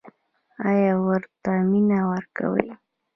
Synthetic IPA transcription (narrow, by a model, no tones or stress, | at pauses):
ajawaɾt̪amɪnawaɾka̰wa̰j